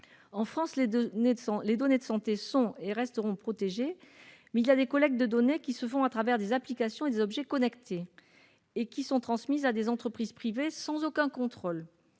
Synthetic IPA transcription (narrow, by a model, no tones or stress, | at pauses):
ɑ̃fχɑ̃slẽ | led̪ɔned̪əsɑ̃t̪esɔ̃eʁɛst̪əʁɔ̃pχɔt̪eʒemɛziljad̪ekɔlɛk̚d̪əd̪ɔnekʲisəfɔ̃at̪χavɛʁd̪ezaplikasjɔ̃ed̪ezɔbʒɛkɔnɛkt̪ʰeː | kʲisɔ̃t̪χɑ̃smizad̪ezɑ̃t̪χəpχizpχivesɑ̃zokɛ̃kɔ̃t̪χol